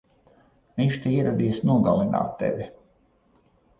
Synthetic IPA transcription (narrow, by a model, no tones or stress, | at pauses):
viɲt͡ʃt̪iiɛɾad̪iːsnuɔɡalˠina̰ːt̪ːḛvʲi